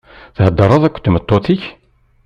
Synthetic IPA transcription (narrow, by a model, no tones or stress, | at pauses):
θhəd̪ːɑɾˤɑðˤækʷːt̪ːmət̪ˤːot̪iç